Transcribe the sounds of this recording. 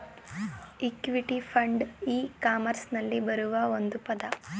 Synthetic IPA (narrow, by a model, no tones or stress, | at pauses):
ikʋiʈipʰɐɳɖiːkaːmɐɾsnɐlːibɐɾuʋɐond̪upɐd̪ɐ